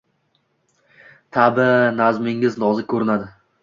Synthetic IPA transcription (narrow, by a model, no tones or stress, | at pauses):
t̪ʰabɪnazmɪŋɪznɒzɪkʰɵɾɪnad̪ɪ